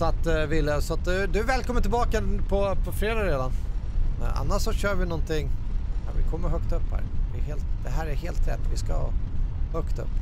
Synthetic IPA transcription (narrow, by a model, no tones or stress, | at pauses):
sɔat̪vɪlːasɔat̪̚d̪ɵd̪ɵvɛːlkʰɔmənt̪ʰɪlbɑːkapʰɔpʰɔfɾeːd̪ɑːɾeːd̪an | a̰nːaʂsɔɕœːɾvɪnɔnt̪ɪŋːɑ̰vɪ̰kʰɔmːəɾɦœkt̪ɵpːhæ̰ːɾd̪ɛːɦeːlt̪̚d̪̥ɛɦæːɾæɾheːlt̪ɾɛ̰t̪ːvɪska̰hhœkt̪ɵ̰pː